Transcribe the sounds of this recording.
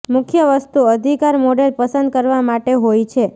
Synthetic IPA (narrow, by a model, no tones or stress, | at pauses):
mʊkʰjəʋəst̪uəd̪ʱikaɾmoɖelpəsənd̪̚kəɾʋamaʈeɦojt͡ʃʰe